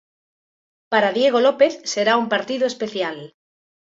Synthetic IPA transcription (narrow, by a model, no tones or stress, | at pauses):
paɾaðjeɣ̞olopeθseɾaumpaɾt̪iðoespeθjal